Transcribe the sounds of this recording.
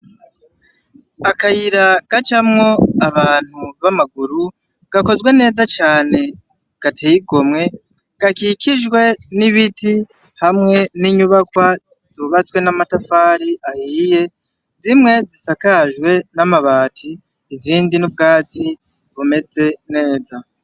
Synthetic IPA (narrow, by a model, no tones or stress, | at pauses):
akajiɾaɡ̥at͡ʃamŋo̞aβaːn̥huβamaɡuɾu | ɡ̥ako̞zwe̞ne̞ːzat͡ʃaːne̞ | ɡ̥atʰejiɡo̞mŋe̞ | ɡ̥akikiʒɡwe̞niβiti | hamŋe̞niɲuβakwa | z̥uβat͡swe̞namatafaːɾiʔahiːje̞ | zimŋe̞zisakaʒwe̞namaβaːtʰiː | ziːndinubɡaːt͡si | βume̞ze̞ne̞ːza